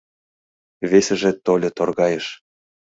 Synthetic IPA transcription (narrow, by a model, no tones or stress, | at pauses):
vʲesʲĕʒĕt̪olʲɤ̆t̪orɣɑjɤ̆ʃ